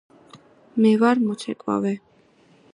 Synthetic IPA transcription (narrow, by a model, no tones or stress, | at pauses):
mɛvaɾmɔt͡ʃʰɛkʼva̰vɛ